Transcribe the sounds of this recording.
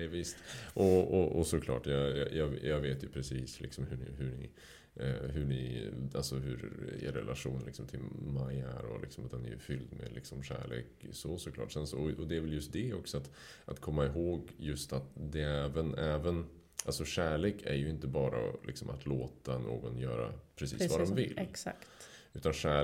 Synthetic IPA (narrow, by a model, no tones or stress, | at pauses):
ɛvɪst̪ʔɔɔɔsɔkʰlɑ̰ːʈjɑjɑjʔɑːɡjɑɡveːt̪jɵpʰɾɛsiːslʔɪ̰ksɔmhɵɳɪɦɵɳɪ | ɦɵɳɪalsɔɦɵɾḛɾːɛ̰lʔaɧuːnlɪksɔmt̪ʰɪlmajæ̰ɾɔ̰lʔɪ̰ksɔmat̪d̪ɛnæ̰ɾjɵfʏld̪mɛ̰lɪksɔmɕæ̰ːɭeːksosɔkʰlɑ̰ːʈːsɛnsɔɔɔd̪ɛæɾvɛljɵst̪̚d̪ɛɔksɔat̪ | ʔat̪kʰɔmːaɪɦoːɡjɵst̪at̪d̪ɛɛːvənɛːvən | ʔalsɔɕæːɭeːkʰæɾjɵɪnt̪əbɑːɾa̰lɪksɔmat̪ʰloːt̪anʔo̰ːɡɔnjœːɾa̰pʰɾɛsḭːsvad̪ɔmvɪlsakt̪ʉ̟ːt̪anɕæː